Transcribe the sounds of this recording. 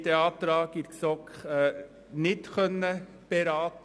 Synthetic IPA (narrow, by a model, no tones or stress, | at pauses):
t̪eɑːt̪əɾɑːkɪɾksɔkχ | nɪt̪χœnːə | b̥ɛɾɑːt̪